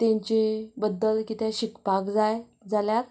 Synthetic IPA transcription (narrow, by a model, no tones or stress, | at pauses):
t̪ẽɲt͡ɕebəd̪ːəlkit̪ẽɕikpakd͡zaj | d͡zaljaɾ